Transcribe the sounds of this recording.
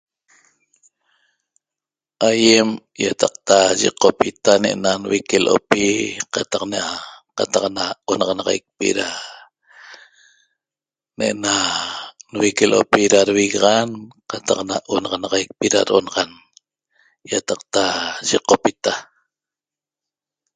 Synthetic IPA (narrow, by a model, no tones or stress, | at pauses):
ʔajem | jat̪ɑq̚t̪aʒḭqopit̪aneʔenanwikelʔo̰piqat̪ɑqneaqat̪ɑqnaonɑʁɑnɑʁɑ̰jk̚pḭɾa | neʔna | nwikelʔo̰piɾaɾwiɣɑʁɑnqɑt̪ɑqnaʔonɑʁɑnɑʁɑjk̚piɾa̰ɾʔo̰nɑʁɑn | jat̪ɑq̚t̪aʒiqopit̪a